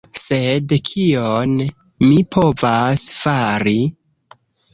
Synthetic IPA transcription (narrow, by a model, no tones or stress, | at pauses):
se̞dkʰion | mipʰo̞vasfaɾi